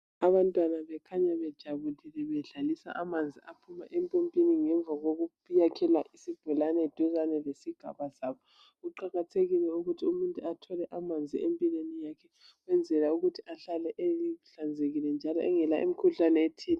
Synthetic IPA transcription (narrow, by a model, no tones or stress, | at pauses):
aβantʼwanaβɛkʰaɲaβɛd̥ʒ̥ʱaβulilɛβɛɮalisa̰ʔamand͡zʱiapʰuma̰ʔɛmpʼompʼiniŋɛɱb̪vaɣoɣu | jakʰɛlaʔisib̥ʱulanɛed̥ʱuzanɛlesiɡ̥ʱa̰βasaːβɔ | ɣuǃaɣatʰeɣilɛuɣutʰiumuntʼuatʰɔlɛʔamand͡zʱiempʼilenijakʰɛ | wɛnd͡zʱɛlauɣutʰiaɬalɛʔeiɬand͡zʱeɣilɛnd͡ʒʱalɔ̰ɛŋɛlaʔḛmikʰuɬanɛetʰiːna